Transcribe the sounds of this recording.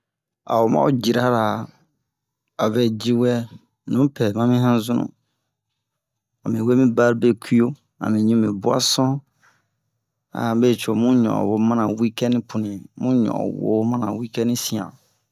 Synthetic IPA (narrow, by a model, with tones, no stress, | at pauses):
a̰˨wo˨mã̰˦o˦˨d͡ʒi˨ɾa˦ɾa˨ | a˨bɛ˦d͡ʒi˦wɛ˦ | nũ˨˦pɛ˨mã˦mĩ˦hã˦zũ˦nṵ̃˦ | a˨mĩ˨we˦mĩ˦ba˦ɾbe˦kʰu˦o˦ | a̰˨mĩ˨ɲũ˦mĩ˨bu˦a̰˦sɔ̃˦ | a̰˨be˦˨t͡ʃo˨mũ˦ɲɔ̰̃˨wo˦mã˦nã˨wi˦kɛ˦nĩ˦pʰũ˨nĩ˨mũ˦ɲɔ̰̃˨wo̰˦mã˦nã̰˨wi˦kɛ˦nĩ˦sĩ˨ã̰˨